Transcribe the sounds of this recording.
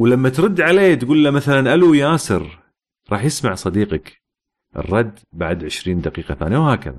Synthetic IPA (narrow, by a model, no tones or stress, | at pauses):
wlamːat̪ɾˤʊd̪ːʕaleːt̪ɡuːlːamaθalanʔalujaːsɨɾ | ɾˤɑːħjɪsmaʕsˤɑd̪iːqɑk | ʔɪ̰rˤːɑd̪ːbaʕd̪ʕɪʃɾiːnd̪aqiːqɑθa̰ːnjawhaːka̰ða̰